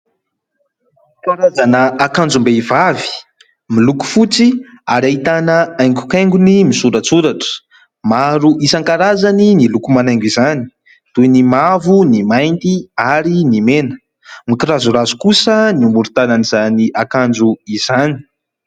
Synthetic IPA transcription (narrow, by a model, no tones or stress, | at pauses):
kaɾazanəakand͡zumbeivavi̥ | miluku̥fut͡siaɾait̪anəajŋɡu̥kajŋɡunimisuɾat͡suɾaʈ͡ʂə̥ | maɾuʔisaŋkaɾazaninilukumanajŋɡizani̥ | d̪̥uenimavunimajnt̪iaɾinimenə̥ | mikiɾazuɾazukusəniumuɾut̪ananizaniʔakand͡ʒuiz̥ani̥